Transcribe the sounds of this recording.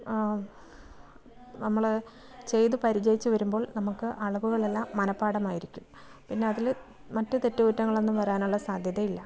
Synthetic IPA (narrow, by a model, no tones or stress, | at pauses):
nɐmːɐɭ | t͡ɕe̞jðɨpɐɾid͡ʑɐjit͡ɕːɨʋɐɾumbo̞ːɭnɐmukːɨʔɐɭɐbuɣɐɭe̞lːaːmːɐnɐpːaːɽɐmaːjiɾikʲːum | pinːe̞ɐðil | mɐtːɨt̪etːuʋutːɐŋːɐɭe̞nːumʋɐɾaːnuɭːɐsaːd̪ʱjɐðɐilːɐ